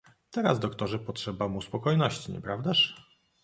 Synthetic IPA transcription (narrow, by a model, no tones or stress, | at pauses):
t̪ɛɾa̰zd̪ɔkt̪ɔʐɛpɔtʂɛbamuspɔkɔjnɔɕt͡ɕiɲɛ̰pɾavd̪aʂ